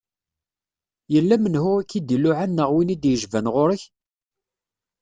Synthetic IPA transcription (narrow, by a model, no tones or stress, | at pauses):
jəlːæmənhʊʁækːid̪ilʊʕanːəʁwinid̪jəʒvænʁoɾəç